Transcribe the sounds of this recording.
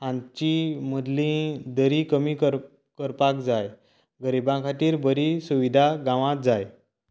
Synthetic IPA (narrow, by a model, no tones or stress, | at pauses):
ãnt͡ɕiməd̪lĩd̪əɾikəmikəɾ | kəɾpakd͡zaj | ɡəɾibãkʰat̪iːɾbəɾisuʋid̪ʱaɡãʋãt̪̚d͡zaj